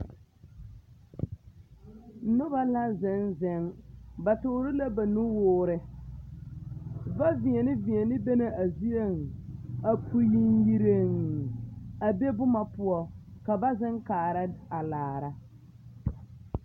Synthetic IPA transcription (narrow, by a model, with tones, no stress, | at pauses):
nʊ˦ba˦la˦zɛ˨˦nzɛ˨˦ŋba˨tʊː˨˦ɾɪ˦la˦ba˨nʊ˦wʊː˦ɾɪ˦ | va˦vɪ˨ɛ˨nɪ˦vɪ˨ɛ˨nɪ˦be˦ne˨ʔa˨zi˦e˦ŋa˨pʰu˦ji˦nji˦ɾe˦ŋ | a˨be˦bʊ˦ma˨pʊ˦ɔ˦ka˨ba˦zɪ˦ŋkaː˨ɾa˦a˨laː˨ɾa˨